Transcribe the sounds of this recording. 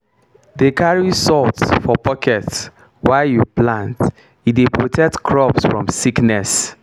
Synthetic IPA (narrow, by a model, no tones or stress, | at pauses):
dekʰaɹisɔltsfɔpʰɔkʰɛts | waɪjuplãnt | idepʰɹotʰɛk̚tkʰɹɔpsfɹɔ̰̃msiknɛs